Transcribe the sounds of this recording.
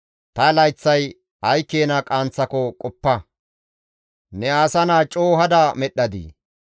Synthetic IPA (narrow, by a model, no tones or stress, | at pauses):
t̪ɐlɐjt͡sːɐj | ɐjkːeːnɐkʼaːnt͡sːɐkɔkʼɔpːɐ | nɛaːsɐnaːt͡ʃʼoːɦɐd̪ɐmɛɗːɐd̪ḭ